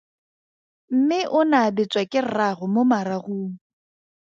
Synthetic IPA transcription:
m̩mɪʔʊnaːbɪt͡sʼwakʼɪrarʊmomaɾaɣuːŋ̩

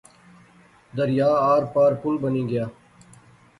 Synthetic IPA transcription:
d̪əɾɪjaːaːɾpaːɾpʊlbənĩːɡɪjaː

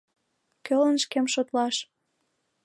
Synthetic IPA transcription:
kølənʃkemʃot̪lɑʃ

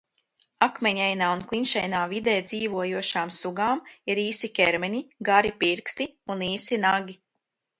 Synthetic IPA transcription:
akmɛɲʲɛjnaːunklˠinʃɛjnaːvid̪ɛːd̪ziːvuɔjuɔʃaːmsuɡaːmiɾiːsikʲɛɾmɛɲiɡaɾipiɾkst̪iuniːsinaɡʲi

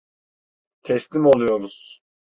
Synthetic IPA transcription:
t̪ʰɛslʲimo̞lˠujo̞ɾuz̥

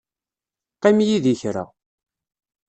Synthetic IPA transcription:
qimjiðiçɾa̰

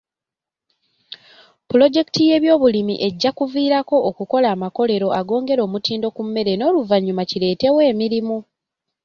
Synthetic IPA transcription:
pulo̞ɟe̞ki̥tije̞ːβjo̞ːβulimḭʔe̞ɟːakuviːɾako̞ʔːkuko̞laːmako̞le̞ɾo̞ʔaɡo̞ːŋɡe̞ɾo̞ːmutiːndo̞kumːe̞ɾe̞no̞ːluvaɲːumacile̞ːte̞we̞ːmiɾimu

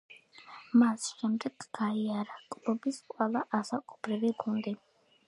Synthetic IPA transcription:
masʃɛmd̪ɛɡɡaiaɾakʼlɔbisqʼwɛlˠaʔasakʼubɾiviɡund̪i

